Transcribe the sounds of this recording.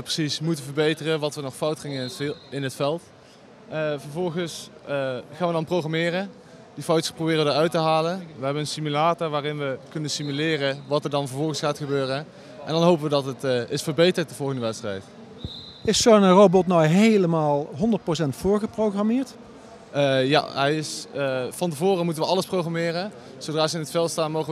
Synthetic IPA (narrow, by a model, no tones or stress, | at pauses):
əprəsismutəvəɹbejtərəʋɑtʋənɔχfɑwtχɪŋəɪnɦətfɛlˠtː | vəɹvɔlˠɣəs | χaːnʋədɑnprowχramɪːrən | difɑwtsprowbɪːrəʋədəɹœɥtəɦaːlənʋəɦɛbənənsimylaːtɔɹʋaːrɪnʋəkɵnənsimylɪːrəʋɑtəɹdɑnvəɹvɔlˠɣəsxaːtχəbøːrən | ʔɛ̰ndɑnɦowpəʋədɑtətʔɪsfəɹbejtəɹt̚dəv̥ɔlˠɣəndəʋɛtstrɛ̰jt | ɪsonərobɔtnɔwɦejləmaːlˠɦɔndəɹt̚pros̬ɛntfʊːɹɣəproχramɪːɹtː | ja̰ɦɛjɪsfɑntəvʊːrəmutənʋəɑlˠəsprowχamɪːrən | zowdraːzəɪnətfɛlˠstaːnmowχə